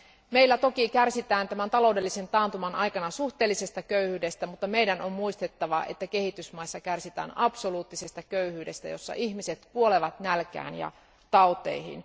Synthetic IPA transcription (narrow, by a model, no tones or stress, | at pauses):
meilːæt̪o̞kikærsit̪æːnt̪æmænt̪ɑlo̞ude̞lːisent̪ɑːnt̪umɑnʔɑjkɑnɑsuht̪eːlːise̞st̪ɑkøyhyːdest̪æmut̪ːɑmeidænommuist̪et̪ːɑʋɑʔḛt̪ːæke̞hit̪ysmɑisːɑkærsit̪æ̰ːnɑpsoluːt̪ːisest̪ɑkøyhyːde̞̰st̪æ̰jo̞̰sːɑ̰ʔihmiset̪kuoleʋɑt̪nælkæ̰ːnjɑ̰ | t̪ɑot̪ˑḛihḭn